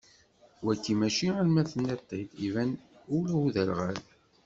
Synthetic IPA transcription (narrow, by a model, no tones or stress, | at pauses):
wækːimæʃiælmæθənːæt̪ˤːəjd̪ivæn | ʊluðælʁæð